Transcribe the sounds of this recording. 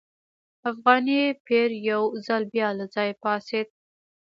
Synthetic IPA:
afɣɑnipeɾjawzalbjɑlazɑjepɑsed̪̚

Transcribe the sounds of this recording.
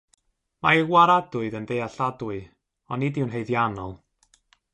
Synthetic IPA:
maəwaɾadʊɨdəndejaɬadwʊɨ | ɔnːidɪwnɦejðjanɔ̰lˠ

